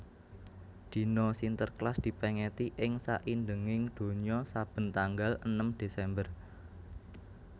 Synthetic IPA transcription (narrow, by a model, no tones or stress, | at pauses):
d̪̥i̤nɔsint̪ərklasd̪̥i̤pɛŋɛt̪iʔɪŋsa̰ʔindəŋɪŋd̪̥o̤ɲɔsab̥ə̤nt̪aŋɡalənəmd̪̥e̤sɛmbər